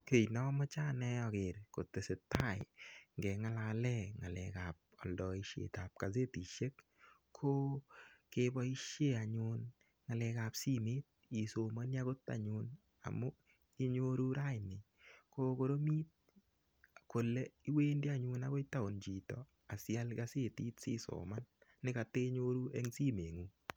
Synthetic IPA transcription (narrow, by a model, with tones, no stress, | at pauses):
ke˨jnɔ˨˦mɔ˦t͡ʃa˦˨nɛ˦ɔ˨kɪ˨ɾko˨te˨se˨ta˦˨ɪŋɡɛ˨ŋa˦la˨lɛ˦˨ŋa˨lɛ̰˨ka˨p̚ɔ˨ldɔ˨i˦ʃḛ˨ta˨p̚ka˨ze˦ti˨ʃe˦kʰː | o˦ke˦bɔ˦i˦ʃje˦˨a˨ɲʊ˦n | ŋa˨lɛ˨ka˨psi˦mɪ˦t̚i˨so˨ma˦nja˦ɣo˦ta̰˨ɲʊ˨n | a̰˨mo˦ | i˦ɲo˦ɾu˦ɾa˦jnɪ˨ | ko˦ko˨˦ɾo˦mi˦t̚ | ko˨le˦i˦we˦ndi˦a˦˨ɲʊ˨na˦ɡo˦ta˦o˨nd͡ʒi˨tɔ̰˨ | a˨sja˦lɡa˦sɪ˦ti˦tsɪ̰˦so̰˨ma˦nːɪ˦ka˨te˦ɲo˦ɾu˦ɛ˦ŋsi˦me˨ŋu˨˦